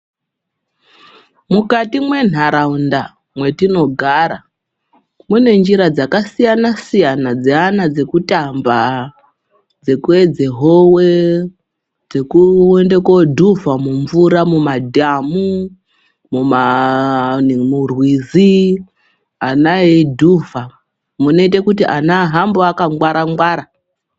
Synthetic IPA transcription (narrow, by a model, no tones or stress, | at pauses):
mukatimwe̞n̤aɾaunda | mwe̞tino̞ɡʱaːɾa | mune̞nd͡ʒiɾad͡zakasijanasijanad͡zeanad͡ze̞kutʼamba | d͡zekued͡zeɦowe | d͡zekuende̞kodʱuvamuɱvuɾamumadʱamu | muma | murwizi | anaedʱuva | muno̞it̬ekutiʔanaɦamboakaŋɡwaɾaŋɡwaɾa